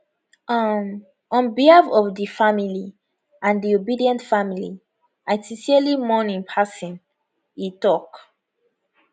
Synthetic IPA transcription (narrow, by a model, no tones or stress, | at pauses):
m | ɔ̃nbihafɔvdifamili | ãndiobidiɛ̃ntfamili | aɪtisiəlimɔnĩŋpʰasĩn | itɔk